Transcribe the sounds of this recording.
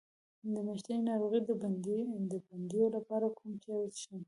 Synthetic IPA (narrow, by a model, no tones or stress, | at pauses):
d̪əmaʃt̪ainɑɾoɣid̪əb̪d̪əband̪ijolapɑɾakʰumt͡ʃɑjt̪ʃi